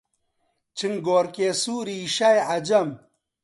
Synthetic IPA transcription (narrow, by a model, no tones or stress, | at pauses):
t͡ɕiŋɡoːɾkesuːɾiʃajɐd͡ʑɐm